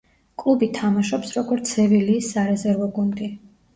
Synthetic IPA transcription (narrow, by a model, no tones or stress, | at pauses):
kʼlˠubit̪ʰamaʃɔpsɾɔɡɔɾt̪sʰɛviliːsːaɾɛzɛɾvɔɡund̪i